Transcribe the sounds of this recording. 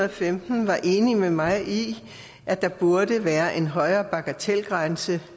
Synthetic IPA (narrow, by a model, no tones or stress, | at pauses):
ɐfemd̥n̩ʋɑ̈ʔe̝ːnimemɑ̈ɪi | ʔæd̥ɑ̈b̥uɐdəʋæːɐʔe̝nɦɒ̽ɪɐːb̥ɑ̈ɡ̥æt͡sʰelɡ̥ʁansə